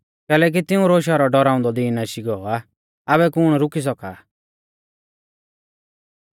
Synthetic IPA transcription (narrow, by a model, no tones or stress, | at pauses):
kɛːlɛːk̬it̪ɪũɾoːʃ̬aɾɔɖɔɾaːʊ̃nd̪ɔd̪iːnaʃiɡɔɔa | abɛkʊɽ̃ɾʊkis̬ɔka̰ː